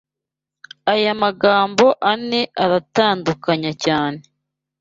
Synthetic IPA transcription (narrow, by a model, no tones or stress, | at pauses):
ajamaɡaːmbo̞ʔane̞ʔaɾataːndukaɲacaːne̞